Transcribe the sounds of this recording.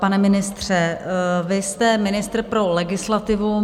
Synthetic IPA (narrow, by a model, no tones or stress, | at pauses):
panɛmɪnɪst̪r̝̥ɛvɪst̪ɛmɪnɪst̪r̩pɾo̞lɛɡɪslat̪ɪvu